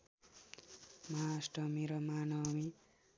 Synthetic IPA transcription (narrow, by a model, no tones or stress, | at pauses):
masʈʌmiɾʌmanʌmi